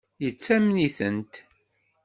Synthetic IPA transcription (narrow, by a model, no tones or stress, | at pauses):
jət͡sːæmniθənt̪